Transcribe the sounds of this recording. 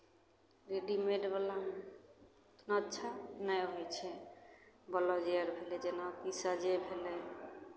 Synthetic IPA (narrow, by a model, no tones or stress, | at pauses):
ɾeɖimeɖbɔla | nɔt͡ʃʰanajɦojt͡ʃʰe | bɔlɔd͡ʒiaɾbʱeled͡ʒenakisad͡ʒebʱele